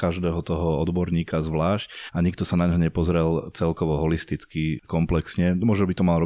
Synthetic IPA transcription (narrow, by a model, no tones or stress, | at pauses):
kaʒd̪ɛːɦɔt̪ɔɦɔɔd̪bɔɾɲiːkazʋlaːʃcaɲik̚t̪ɔsanaɲɦɔɲɛpɔzɾɛlt͡sɛlkɔʋɔɦɔlist̪it͡skikɔmplɛksɲɛmʊɔʒnɔbit̪ɔmalɾɔ